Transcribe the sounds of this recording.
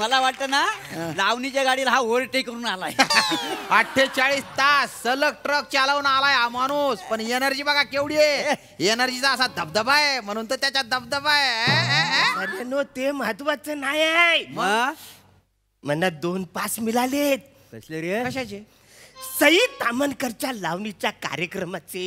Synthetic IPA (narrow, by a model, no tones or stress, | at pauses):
məlaʋaʈ̚t̪ənalaʋnit͡ɕjaɡaɽiːlɦaʋoɾʈekəɾuːnalaj | əʈʰːet͡saɭiːst̪asːələk̚ʈɾək̚t͡ɕalaunalajɦamaɽ̃uːspəɳenəɾd͡ʑiːbəɡakeʋɽije | enəɾd͡ʑit͡saəsad̪əbd̪əbajem̤əɽ̃uːnt̪ət̪jat͡ɕjad̪əbd̪əbae | ənenot̪eməɦət̪ʋat͡sənajajmə | m̤ənːad̪onpasmilalet̪̚ | əɕleɾəkəɕat͡ɕe | səɦiːt̪amənkəɾt͡ɕjalaʋnit͡ɕjaka̰ɾjəkɾəmat͡se